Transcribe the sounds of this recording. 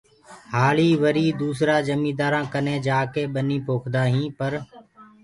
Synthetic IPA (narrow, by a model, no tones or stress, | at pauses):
haːɭiːʋəɾiːd̪uːsɾaːd͡ʒəmĩːd̪aːɾãːkənẽːd͡ʒaːkeːɓəniːpoːkʰd̪aːɦĩːpəɾ